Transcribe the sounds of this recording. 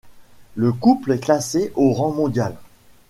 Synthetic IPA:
ləkuplɛklaseʔoʁɑ̃mɔ̃d̪jal

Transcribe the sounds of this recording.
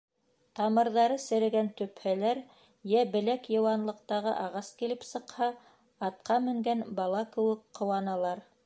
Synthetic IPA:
t̪ɑmɤ̆ɾðɑɾɤsɘ̆ɾæ̆ɡænt̪ɵ̆phælæɾ | jæbɘ̆lækjɤ̆wɑnlˠɤ̆q̚t̪ɑʁɤ̰ʔɑʁɑskilɘpsɤ̆qhɑ | ɑt̪̚qʰɑmɘ̆ŋɡænbɑlˠɑkɘ̆wɘkqːŏwɑnɑlˠɑɾ

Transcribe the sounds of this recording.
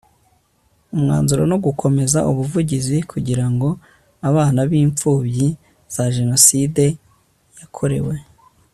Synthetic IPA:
umŋa̰ːnzuɾono̞ɡukʰo̞me̞zaʔuβuvuɟizikʰuɟiɾaŋɡo̞ | aβaːnaβiːɱp͡fuːβji | z̥aʒe̞no̞side̞ | jakʰo̞ɾe̞̰we̞

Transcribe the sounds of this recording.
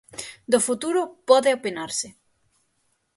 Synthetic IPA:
d̪ofut̪uɾʊpɔðeopenaɾsɪ

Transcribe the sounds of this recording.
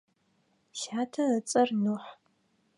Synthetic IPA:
ʃaːtʰɐət͡sʼɐrnuħ

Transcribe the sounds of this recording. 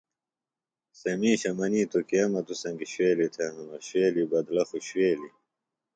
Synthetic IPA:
semiːɕɐmɐniːt̪okiɐmɐt̪usɐŋɡiɕweːlit̪ʰeːnunɐɕweːlibɐd̪lɐxuɕweːli

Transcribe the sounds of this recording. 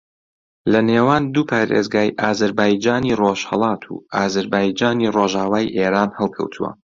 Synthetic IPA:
lɐneːwaːnd̪uːpʰaːɾḛzɡaːjʔaːzɐɾbaːjd͡ʒaːniroʃhə̰lˠɑːt̪ʰṵʔaːzɐɾbaːjd͡ʒaːniroʒaːwaːjʔeːɾaːnhɛlˠkʰɐ̰wt̪ʰuwɐ̰

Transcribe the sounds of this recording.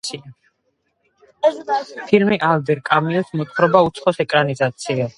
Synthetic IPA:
ia | pʰilmiʔald̪ɛɾkʼamiɔsmɔt̪ʼχɾɔbaut̪sʰχɔsɛkʼɾanizat̪sʰia

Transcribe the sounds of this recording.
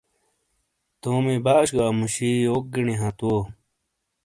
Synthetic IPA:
t̪oːmibaːɕɡaːmuɕioːk̚ɡiɳiɦãt̪o

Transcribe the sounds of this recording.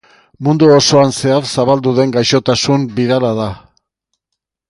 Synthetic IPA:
mund̪uoso̞anse̞aɾsaβald̪uðe̞ŋɡajʃo̞t̪asumbiðalaða

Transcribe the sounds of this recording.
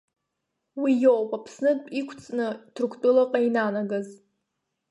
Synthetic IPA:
wijopʼapʰsnɨtʼikʷʰt͡sʼnɨtʰrkʷʰt͡pʼʊlaqʼainanaɡaz

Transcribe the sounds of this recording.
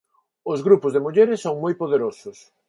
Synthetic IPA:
ʊzɣɾupʊzðemuʎeɾɪsːoŋmojpoðeɾosʊs

